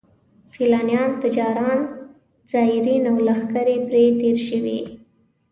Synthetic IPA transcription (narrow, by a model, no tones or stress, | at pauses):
silɑnjɑnt̪ɪd͡ʒɑɾɑn | z̥ɑɪɾinawlaxkaɾepɾet̪eɾʃəwḭ